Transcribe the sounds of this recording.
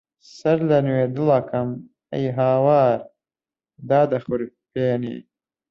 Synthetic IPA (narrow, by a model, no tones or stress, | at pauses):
sɐɾlɐnweːd̪ɨlɐkɐm | ɐ̰jɦaːwaːɾ | d̪aːd̪ɐxʊɾ | peːnḭː